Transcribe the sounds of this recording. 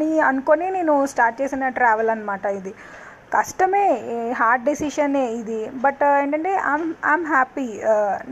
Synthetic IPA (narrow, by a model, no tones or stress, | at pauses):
niɐnkonineːnusʈaːɾʈ̚t͡ʃeːsinɐʈɾaːʋɐlɐnːmaːʈaːjid̪i | kɐʂʈɐmeːɦaːɾʈ̚ɖisiʃɐneːid̪ibɐʈeːɳʈɐɳʈeːʔajma̰jmɦaːpi